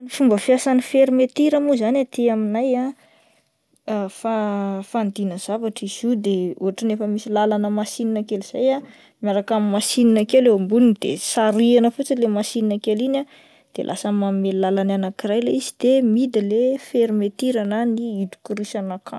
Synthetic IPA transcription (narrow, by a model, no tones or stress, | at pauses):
ifumbəfjasanifeɾimet̪iɾəmuzanat̪eaminaja | fafand̪inəz̥avaʈ͡ʂiz̥ud̪eṵɦaʈ͡ʂinefəmisilalanəmasininakeliz̥aja | mjaɾakamimasininakeleambunnd̪̥ḛsaɾianəfut͡silemasininakelina | d̪̥ḛlʔa̰səmammellalananakirajleizid̪̥emid̪ilefeɾimet̪iɾananiit̪u̥kuɾisanakʰa